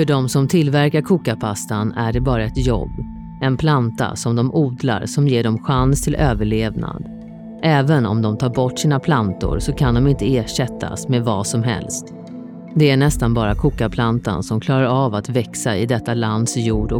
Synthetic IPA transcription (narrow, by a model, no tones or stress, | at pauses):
fœɖɔmsɔmt̪ʰɪlvæɾkaɾkʰuːkapʰast̪anæɖɛbɑːɾaɛt̪jɔ̰bː | ɛnpʰlant̪a̰sɔmd̪ɔmʔuːd̪la̰ɾsɔmjeːɖɔmɧanst̪ʰɪlʔøːvəɭeːvna̰d̪ | ʔɛːvənɔ̰md̪ɔmt̪ʰɑːɾbɔʈːsiːnapʰlant̪ʊ̰ɾsɔkʰand̪ɔmɪnt̪əeːʂɛt̪ʰːa̰smeːvɑ̰ːsɔmɦɛ̰lst̪ | d̪ɛæɳɛst̪anbɑːɾakʰuːkapʰlant̪a̰nsɔmkʰlɑːɾaɾavat̪vɛksaɪd̪ɛt̪ːaland̪sjuːɖɔ